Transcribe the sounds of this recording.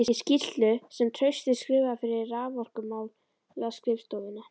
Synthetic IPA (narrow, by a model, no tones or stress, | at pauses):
ɪɪscir̥t̪lʏsɛmt̪ʰɾœɥst̪ɪskɾɪːvafɪɾɪraːvɔr̥kʏmaːwlː | askɾɪfst̪owðɪna